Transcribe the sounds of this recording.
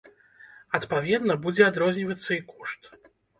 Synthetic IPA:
ɐt̪pavʲɛd̪nɐbud͡zʲɛad̪ɾɔzʲnʲivɐt̪sːɐikɔʂt̪

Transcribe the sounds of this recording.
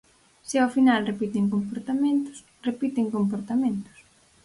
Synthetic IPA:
seofinalrepit̪eŋkompoɾt̪amẽnt̪ʊ̥s | repit̪eŋkompoɾt̪amẽnt̪ʊ̥s

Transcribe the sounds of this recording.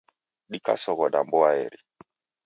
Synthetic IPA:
ɗika̰sɔɣɔɗambɔaɛɾi

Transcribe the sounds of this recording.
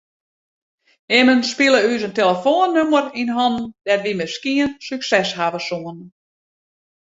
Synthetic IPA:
ɪmənspilˠəysənteləfoːənːømərinɦɔnd̥ɛtʋimɪskiənsyksɛshavəsuən

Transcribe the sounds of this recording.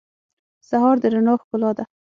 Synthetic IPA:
saɦɑɾd̪əɾanoxkʊlɑd̪a

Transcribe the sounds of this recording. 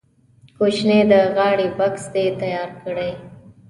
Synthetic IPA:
koʃned̪əɣɑɽibaksd̪et̪ajɑːɾkəɽəj

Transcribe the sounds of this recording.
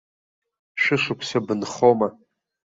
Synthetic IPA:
ʃʷᶣɪʂʷʊkʷʰsabɨnχoma

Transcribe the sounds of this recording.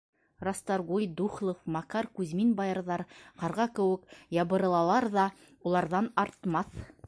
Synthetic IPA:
rɑst̪ɑɾʁujd̪uχlˠofmɑkɑɾkʉzminbɑjɤ̆ɾðɑɾqɑɾʁɑkɘ̆wɘ̆kjɑβɤ̆ɾɤ̆lˠɑlˠɑɾðɑ | ulˠɑɾðɑnɑɾt̪mɑθ

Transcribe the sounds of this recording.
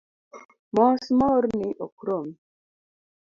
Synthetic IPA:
mɔsmɔɾniʔokɾom

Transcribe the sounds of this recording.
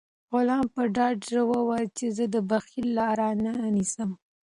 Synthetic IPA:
ɣʊlɑmpəɖɑɖʒəwəwɑjt͡ʃezəd̪əbaxilːɑɾananisəm

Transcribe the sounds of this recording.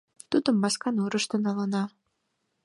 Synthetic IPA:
t̪ud̪ə̆mbɑskɑnuɾəʃt̪ə̆nɑlɤnɑ

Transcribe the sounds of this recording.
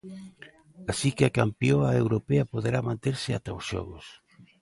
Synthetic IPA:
asikɪakampioaewɾopeapoðeɾamãnt̪eɾsɪa̰t̪aosʃɔ̰ɣʊs

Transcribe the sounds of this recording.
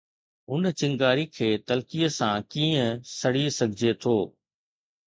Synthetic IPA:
ʊnt͡ɕɪ̃ŋɡaːɾikʰeːt̪ɐlkijəsãkiːə̃sɐɽisɐɡʱɪd͡ʑʱet̪ʰoː

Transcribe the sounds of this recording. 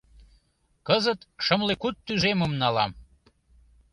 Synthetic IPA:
kəzət̪ʃəmlekut̪ːyʒeməmnɑlɑm

